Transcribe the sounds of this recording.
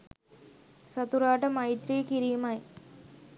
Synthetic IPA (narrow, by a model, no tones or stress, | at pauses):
sɐt̪uɾaːʈɐmɐjt̪ɾiːkiɾijmaj